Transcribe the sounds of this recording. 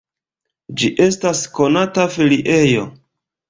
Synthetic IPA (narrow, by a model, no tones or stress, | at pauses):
d͡ʒiʔe̞stasko̞natafiliʔe̞jo̞